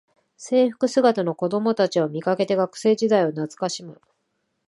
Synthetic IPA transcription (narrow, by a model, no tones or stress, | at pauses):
se̞ːɸɯ̟̥kɯ̟sɨɡat̪ano̞ko̞d̪o̞mo̞t̪at͡ɕiβamʲikake̞t̪e̞ɡakɯ̟̥se̞ːd͡ʑid̪aionat͡sɨ̥kaɕimɯ̟